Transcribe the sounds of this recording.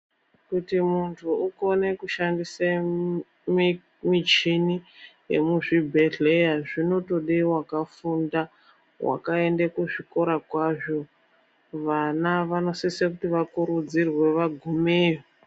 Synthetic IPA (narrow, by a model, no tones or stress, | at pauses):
kutimuntʰuuko̞ne̞kuʃandise | m | mit͡ʃinijḛmuʐibʱeɬejaʐino̞to̞ɗewakafunda | wa̰kae̞ndekuʐiko̞ɾakwaʐo | ʋanaʋano̞sisekutiʋakuɾud͡zirwe̞ʋaɡʱumeːjo